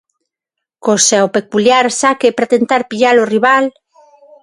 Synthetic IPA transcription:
kosaopekuljaɾsakepɾat̪ent̪aɾpiʎaloriβal

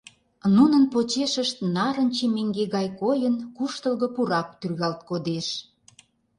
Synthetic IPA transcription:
nunənpot͡ɕeʃəʃt̪nɑɾə̆nt͡ɕemeŋɡeɣɑjkojənkuʃt̪əlɣə̆puɾɑk̚t̪yrɣɑlt̪̚kod̪eʃ

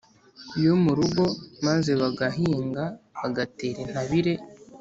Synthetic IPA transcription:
ijomuɾuɡo̞maze̞βaɡaɦiːŋɡaβaɡate̞ːɾen̥haβiɾe̞

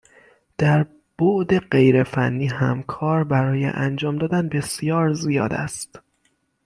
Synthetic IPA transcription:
d̪̥æɾ | b̥oʔd̪e̞ɢe̞jɾe̞fænːiːɦæmkʰɒːɾbæɾɒːjḛʔænd͡ʒɒːmd̪ɒːd̪ænbe̞sjɒːɾzijɒːd̪æ̰st̪

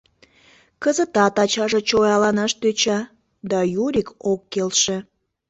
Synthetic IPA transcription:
kəzət̪ɑt̪ɑt͡ɕɑʒet͡ɕojɑlɑnɑʃt̪øt͡ɕɑ | d̪ɑjuɾʲikokːelʃe

